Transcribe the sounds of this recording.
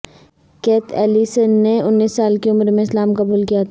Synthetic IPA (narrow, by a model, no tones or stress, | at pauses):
keːt̪ʰɛːlisənːeʊnːiːsːaːlkeʊmɾmẽɪslaːmkɐbuːlkijat̪ʰː